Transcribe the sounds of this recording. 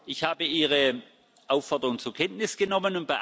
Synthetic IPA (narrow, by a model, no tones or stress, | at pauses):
ʔɪçhaːbəiːʁ̞ə | ʔaʊfɔɐdəʁʊŋt͡suɐkʰɛntnɪsɡ̥ənɔmənʊnt̚b̥aɪ